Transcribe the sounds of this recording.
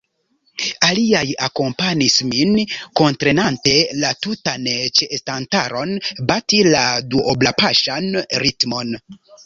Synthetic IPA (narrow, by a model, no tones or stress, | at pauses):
aliajako̞mpanisminko̞ntɾe̞nante̞latutant͡ʃestantaɾo̞nbatiladuʔoblapaʃanɾitmo̞n